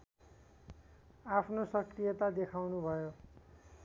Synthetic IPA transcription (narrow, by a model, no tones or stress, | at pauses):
apʰnosʌkrijʌt̪ad̪ekʰawnubʱʌjo